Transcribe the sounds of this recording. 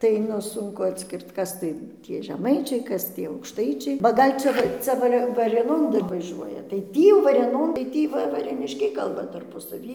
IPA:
tɐɪ ˈnʊ ˈsʊŋkʊ ɐtʲˈsʲkʲɪrt ˈkɐs tɐɪ ˈtʲiɛ ʒʲɛˈmɐɪt͡ʃʲɛɪ ˈkɐs tʲiɛ ɐʊkʃˈtɐɪt͡ʃʲɛɪ bɐ ˈɡɐlʲ t͡ʃʲɛ ˈt͡sʲɛ ˈʋɑːrʲeː ʋɐrʲeːˈnoːn ˈdɐr ʋɐˈʒʲuɔjɛ tɐɪ ˈtʲiː jɛʊ ʋɐrʲeːˈnoːn tɐɪ ˈtʲiː ˈʋɐ ʋɐrʲeːˈnʲɪʃʲkʲɛɪ ˈkɐlˠbɐ tɐrpʊ sɐˈʋʲiː

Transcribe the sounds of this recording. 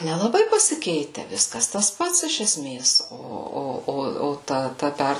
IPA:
nʲɛlˠɐˈbɐɪ pɐsʲɪˈkʲɛɪtʲɛ ˈʋʲɪskɐs tɐs ˈpɐts ɪʃ ɛˈsʲmʲeːs ˈoː ˈoː ˈoː ˈoː ˈtɐ ˈtɐ ˈpʲɛr

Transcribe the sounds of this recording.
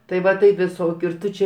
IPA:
tɐɪ ˈʋɐ tɐɪ ʋʲɪˈsoːkʲʊ ɪr ˈtʊ t͡ʃʲɛ

